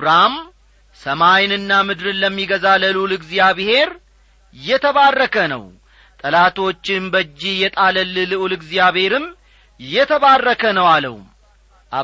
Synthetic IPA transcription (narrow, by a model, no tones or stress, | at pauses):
ɾam | səmajnɨnːamɨd̪ɾɨnləmːiɡəzaləlulɨɡzijaβɨhe̞ɾ | jɛt̪ʰəβarːəkʰənə̰w | t̪ʼəlat̪ʰo̞t͡ʃːɪnbəd͡ʒːijɛt̪ʼaləlːɨlɨʔulɨɡzijaβhe̞ɾɨm | jːɛt̪ʰəβarːəkʰənəwalə̰w | ʔa